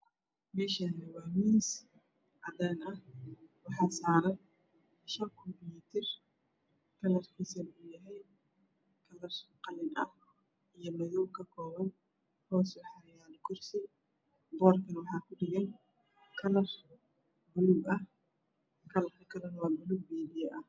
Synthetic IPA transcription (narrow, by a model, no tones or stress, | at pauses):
mɛːʃanɛwɑːmiːns | ʔɐd̪aːnɐhwɑħɑːsaːɾɐj | ʃɐŋkʰɔmpjuːt̪ʰɪr | kʰɐlɐrkʰisɐnujɐɦɛj | kʰɐlɐrqɑlɪnʔɐ̰h | ʔijɞmɐɣɔwkʰɐkʰɔːβɐn | hɔːsħɑɾɪjaːd̪kʰʊrsɪ | bɔːrkʰɐnwɑħɑːkʰʊɖɪɣɛn | kʰɐlɐr | bʊlʊbɐh | kʰɐlɐrkʰɐkʰɐlɛnɐwɑːbʊlʊɡ̚bɛːdɪjɛʔɐh